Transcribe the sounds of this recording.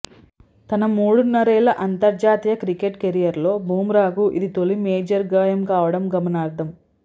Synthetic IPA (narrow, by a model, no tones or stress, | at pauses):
t̪ɐnɐmuːɽunːɐɾɛːlɐʔɐnt̪ɐɾd͡ʒaːt̪ijɐkɾikeʈkeɾijɐɾlo̞ːbʱuːmɾaːɡuʔḭd̪it̪olimeːd͡ʒɐɾɡɐːjɐmkaːʋɐɽɐmɡɐmɐnaːɾd̪ʱɐm